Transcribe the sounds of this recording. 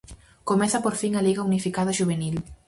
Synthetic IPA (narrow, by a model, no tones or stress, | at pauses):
komeθapoɾfiŋaliɣaunifikaðaʒuβ̞enil